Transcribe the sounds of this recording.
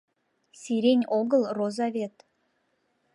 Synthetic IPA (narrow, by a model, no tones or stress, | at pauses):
sʲiɾʲenʲoɡə̆lˠrozɑβʲet̪